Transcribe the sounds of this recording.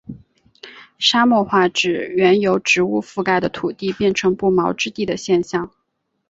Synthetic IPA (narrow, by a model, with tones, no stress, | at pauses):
ʂa˥mwɔ˥˧xwa˥˩ʈ͡ʂɻ̩˨˩ɥɛ˧˥njo˧˥ʊʈ͡ʂɻ̩˧˥u˥˧fu˥˧ka˥˩ɪd̪ə˩t̪ʰu˨˩t̪i˥˧pjɛ˥˩nʈ͡ʂʰɤ˧˥ŋpu˥˩mɑ˧˥ʊʈ͡ʂɻ̩˥t̪i˥˩d̪ə˩ɕjɛ˥˧nɕjɑ˥˩ŋ